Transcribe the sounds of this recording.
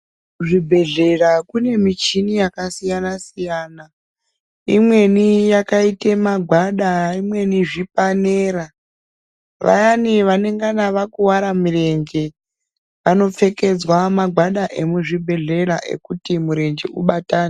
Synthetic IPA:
ʐibʱeɮe̞rakune̞mit͡ʃinijakasijanasijaːna | imwe̞nijakaitemaɡʱwaɗaimwe̞niʐipaneːɾa | ʋa̰janiʋane̞ŋɡanaʋakuwaɾamire̞ŋɡe̞ | ʋano̞p͡fe̞ke̞d͡zwamaɡʱwaɗaʔe̞muʐibʱe̞ɮe̞raʔe̞̰kutimuɾe̞nd͡ʒḛṵɓataːna

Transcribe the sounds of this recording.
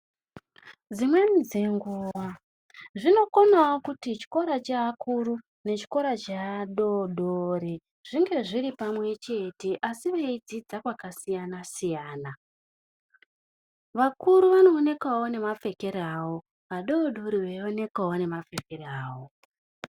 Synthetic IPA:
d͡zimwe̞nid͡ze̞ŋɡuːʋa | ʐino̞konawokutit͡ʃi̥ko̞ɾat͡ʃaːkʰuɾu | ne̞t͡ʃi̥ko̞ɾat͡ʃaːɗo̞ɗoɾi | ʐ̥iŋɡe̞ʐiɾipamwe̞t͡ʃe̞te̞ʔasiʋe̞id͡zid͡zakwakasijanasijaːna | ʋakuɾuʋano̞ːne̞kwawone̞mafe̞ke̞ɾeawo̞ | ɦaɗo̞ːɗoɾiwe̞o̞ne̞kwawone̞mafe̞ke̞ɾeaːwo

